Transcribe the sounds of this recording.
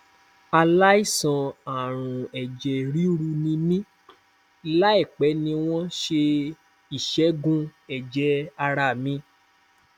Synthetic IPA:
a˧la˦i˦˨sã˧a˨ɾ̃ũ˨ɛ˨d͡ʒɛ˨ɾi˦ɾu˧nĩ˧mĩ˦ | la˦ɛ˦˨k͡pɛ˨˦nĩ˧w̃ɔ̃˦ʃe˧ | i˦˨ʃɛ˨˦ɡũ˦ɛ˨d͡ʒɛ˨˦a˧ɾa˦˨mĩ˧˦

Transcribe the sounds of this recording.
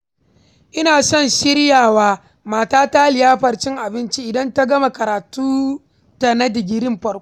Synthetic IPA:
ʔɪ˦naː˨sɔ˦˨nʃɪ˦ɽjaː˨waː˦ | maː˨taː˦ta˦lɪ˨jaː˦ɸɐ˨rt͡ʃɪ˦ŋʔa˨bɪ˦nt͡ʃiː˦ʔɪ˨dɐ˦nta˦ɡɐ˦ma˨kɐ˨ɾaː˨tuː˦ | ta˨na˦dɪ˨ɡʲɪ˦ɾɪ˦mɸɐ˨˦kʷ

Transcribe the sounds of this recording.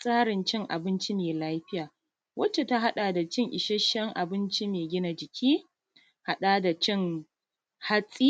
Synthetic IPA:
sʼaː˦ɽɪ˨nt͡ʃɪ˦ŋʔa̰˨bɪ˦nt͡ʃi˦meː˨laː˦ɸɪ˦jaː˨ | wʔɐ˦t͡ʃe˨ta˦ɦa˦ɗa˨da˨t͡ʃɪ˦ŋʔɪ˨ʃɛ˦ʃɐ˦ŋʔa̰˨bɪ˦nt͡ʃi˦meː˨ɡʲɪ˦na˨d͡ʒɪ˨kʲʰiː˦ | ha˦ɗaː˦da˨t͡ʃɪ˦ŋ | ha˦sʼiː˦

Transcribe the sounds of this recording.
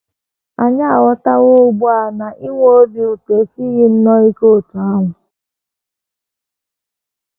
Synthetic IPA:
a˨ɲa˦a˨wɔ˦ta˦wo˦˨˦ɡ͡bʊ˦a˨na˨ʔi˦wʷo˦o˦di˨u˨te˨˦si˦ɣɪ˦n̩˦nɔ˦i˦ko˦˨tu˨a˦ŋʷʊ˨

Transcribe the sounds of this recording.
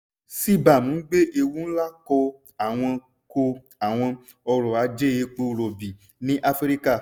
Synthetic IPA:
si˦ba˨mũ˨˦ɡ͡be˦ʔe˧wu˦n̩˦la˦kɔ˧ | a˨w̃ɔ̃˧ | ko˧ | a˨w̃ɔ̃˧ | ɔ˧ɾɔ˨a˨˦d͡ʒe˦je˧k͡po˧ɾo˨bi˨ | nĩ˦ʔa˧fɾi˦ka˦˨

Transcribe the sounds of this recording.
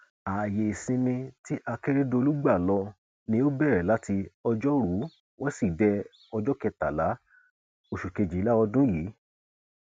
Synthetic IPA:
a˨je˨i˨sĩ˧mĩ˧ti˦ʔa˧ke˦ɾe˦do˧lu˦ɡ͡ba˦˨lɔ˧ | nĩ˧˦o˦bɛ˦˨ɾɛ˨la˨˦ti˧ɔ˧d͡ʒɔ˦ɾu˨˦ | wɔ̃˦si˦˨dɛ˧˦ | ɔ˧d͡ʒɔ˦kɛ˧ta˨la˨˦ | o˦˨ʃu˨ke˨˧d͡ʒi˨˦la˦ɔ˧dũ˦jiː˨˦

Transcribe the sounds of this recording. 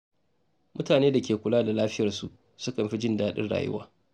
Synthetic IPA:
mʔʊ˦taː˨neː˦da˨kʲeː˨kʷʊ˨laː˦da˨laː˦ɸɪ˦jɐ˨rsu˨ʔ | sʊ˦kɐ˨mɸi˦d͡ʒɪ˦ndaː˦ɗɪ̰˦nɽa̰ː˨jʊ̰˦wa̰ː˦

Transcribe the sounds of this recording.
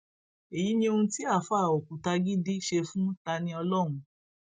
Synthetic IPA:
e˨ji˨˦nĩ˧o˧ũ˦ti˦a˦˨fa˦˨o˨kũ˨ta˧ɡi˦di˦ʃe˧fũ˦ta˧nĩ˧ɔ˧lɔ̃˦˨ũ˧

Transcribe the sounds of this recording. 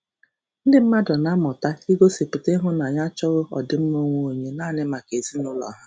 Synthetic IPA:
n̩˦dɪ˦m̩˦ma˦dɔ˨na˦mʊ˨ta˦i˦ɡo˦si˨pi˨te˦ɦʊ˦na˨ɲa˦t͡ʃɔ˦ɣʊ˦ɔ˨dɪ˦m̩˦mo˦ŋʷo˦o˨ɲe˦naː˦˨nɪ˦ma˨ke˨zi˦nʊ˦lɔ̰˨ɦa˦

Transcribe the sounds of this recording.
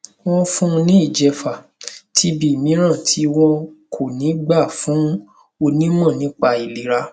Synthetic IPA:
w̃ɔ̃˦fũ˦˧nĩ˦i˦˨d͡ʒɛ˧fa˨ | tʰi˧˦bi˨mĩ˨˦ɾ̃ã˦˨tʰi˦w̃ɔ̃˦kʰo˦˨nĩ˨˦ɡ͡ba˦˨fũ˨˦ | o˧nĩ˦mɔ̃˦˨nĩ˨˦k͡pa˧i˨li˨˦ɾa˧

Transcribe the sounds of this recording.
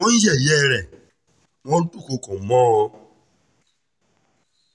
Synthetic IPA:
ɔ̃˦n̩˦jɛ˦˨jɛ˦˨˧ɾɛ˨ | w̃ɔ̃˦tu˦˨ko˧kɔ̃˨˦mɔ̃˦o˧

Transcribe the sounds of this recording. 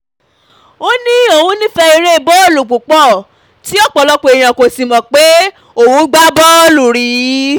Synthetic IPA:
o˦nĩ˦o˦˨wũ˨˦nĩ˦fɛ˧i˧ɾe˦˧˨bɔ˦o˦˨lu˨k͡pu˨k͡pɔ˦˨ | ti˨˦ɔ˦˨k͡pɔ˨lɔ˧k͡po˧e˨j̃ã˨ko˨sĩ˨mɔ̃˨k͡pe˨˦ | o˨wũ˨˦ɡ͡ba˦bɔ˦o˦˨lu˨ɾi˨˦

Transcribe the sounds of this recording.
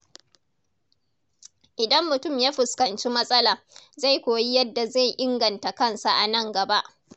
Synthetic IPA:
ʔɪ˨dɐ˦mːʊ˨tʊ˦˨mjaː˦ɸɪ˨skɐ˨nt͡ʃi˦mɐ˦sʼɐ˦laː˨ | za˦˨jkʷoː˨ji˦jɐ˦dːa˨za˦˨jʔɪ˦ŋɡɐ˨nta˨kɐ˦nsa˨ʔa˨nɐ˦˨ŋɡɐ˨ba˦ʔ

